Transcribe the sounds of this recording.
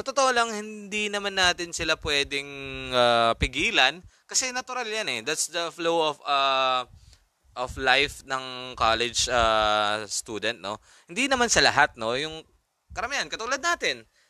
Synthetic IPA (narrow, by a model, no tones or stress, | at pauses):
sɐt̪ot̪oʔolɐŋhɪnd̪inɐmanːaːt̪ɪnsɪlapwɛːd̪ɪŋaːpɪɡiːlɐnkɐsɛnɐt̪ʊɾaljanɛd̪at̪sd̪ɐflowɔfɐ | ʔoflajfnɐŋkalɛd͡ʒast̪uːd̪ɛnt̪̚no̞ | hɪnd̪inɐmansɐlɐɦat̪̚no̞jʊŋ | kɐɾɐmɪhankɐt̪ʊlad̪naːt̪ɪn